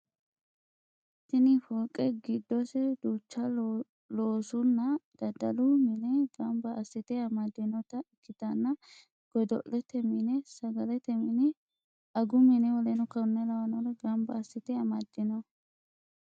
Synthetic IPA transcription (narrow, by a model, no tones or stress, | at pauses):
t̪ːɪnɪfɔlkʼːɛɡɪd̪ːɔsɛd̪uːt͡ʃːɐ | loːsʊnːɐd̪̥ɐd̪ɐ̰lʊmɪnɛɡɐmbɐːsːɪt̪ɛɐmɐd̪ːɪnɔt̪ɐɪkːɪt̪ɐnːɐ | ɡ̥ɔd̪ɔ̰ʔːɛt̪ɛmɪnɛsɐɡɐlɛt̪ɛmɪnɛ | ɐɡʊmɪnɛwɔlɛnʊkɐɾʊnːɛlɐwɐnɔɾɛɡɐmbɐːsɪt̪ɛɐmɐd̪ːɪnɔ